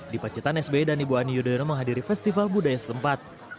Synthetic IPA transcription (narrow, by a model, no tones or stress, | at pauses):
dipat͡ʃit̪anɛsbedanibuanijudajɔnoməŋɦadiɾifɛst̪ifalbudajasə̥t̪əmpat̪̚